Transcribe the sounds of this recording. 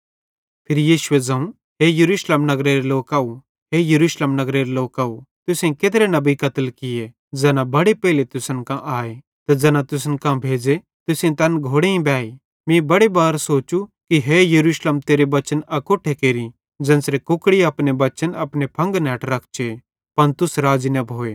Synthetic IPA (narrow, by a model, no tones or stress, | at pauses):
pʰɪɾijiːʃʊed͡zɐ̃ːũ | ɦejɐɾuːʃleːmnɐɡɾeːɾeloːkaːu | ɦejɐɾuːʃleːmnɐɡɾeːɾeloːkaːut̪ʊsẽket̪ɾenɐbikɐt̪əlkɪje | d͡zɛːnãbɐɽepɛːlet̪ʊsənkãʔaːe | t̪ɐd͡zɛ̃ːnãt̪ʊs̬ənkãbʱeːd͡ze | t̪ʊsĩt̪ɐnɡʱoːɽeĩbaːi | mĩbɐɽebaːɾsoːt͡ʃukiɦejɐɾuːʃləmt̪eːɾebɐt͡ʃənɐkoːʈʰekeːɾi | d͡zɐ̃ːnsɾekʊkɽiɐpnebɐt͡ʃənɐpnepʰɐ̃ŋɡnɛːʈɾɐkʰt͡ʃʰe | pɐnt̪ʊsɾaːd͡ʒinɐbʱoːe